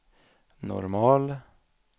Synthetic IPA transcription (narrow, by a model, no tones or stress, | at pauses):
nɔ̰ɾmɑːl